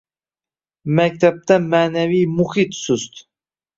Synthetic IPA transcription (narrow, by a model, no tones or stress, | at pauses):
mæk̚t̪ʰap̚t̪amaːnæviːmuxit̪sust̪